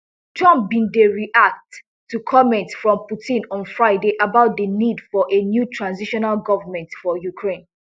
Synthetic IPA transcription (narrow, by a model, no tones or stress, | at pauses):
tʰɔ̃mpbĩndeɹiʔak̚t | tːukʰɔmɛ̃ntfɹɔ̃mputʰĩnɔ̃nfɹaɪdeʔabaʊt̚dənidfɔʔenjutʰɹãnziʃɔnalɡɔvəmɛ̃ntfɔjukʰɹẽn